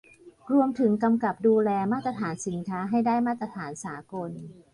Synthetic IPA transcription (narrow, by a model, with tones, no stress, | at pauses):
ɾu˧əmt̪ʰɯ˩˦ŋka˧mka˨˩p̚duː˧lɛː˧maː˥˩t̪ɾa˧t̪ʰaː˩˦nsi˩˦nkʰaː˦˥ɦa˥˩jdaː˥˩jmaː˥˩t̪ːɾa˧t̪ʰaː˩˦nsaː˩˦ko˧n